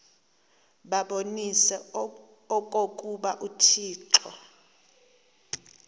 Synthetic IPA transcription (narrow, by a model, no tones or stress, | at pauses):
ɓaɓonisɛ | ɔkʼokʼuɓaʔutʰiːǁɔ̰